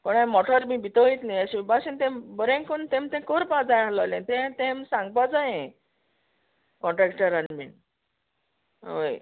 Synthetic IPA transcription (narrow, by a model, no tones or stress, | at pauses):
pəɳãmɔʈʰɔɾmĩːbit̪oit̪niəɕĩbaɕint̪ẽmbəɾẽŋkont̪ẽmt̪ẽkoɾpad͡zajɦalɔlẽt̪ɛ̃t̪ẽmsãŋɡ̚pad͡zaẽ | kɔ̃ɳʈɾɛkʈəɾanmḭn | ʋə̰j